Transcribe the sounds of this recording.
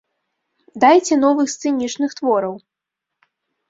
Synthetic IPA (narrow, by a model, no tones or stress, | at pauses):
d̪ajt͡sʲɛn̪ɔvɨxst̪sɛnʲit͡ʂnɨxt̪vɔɾɐw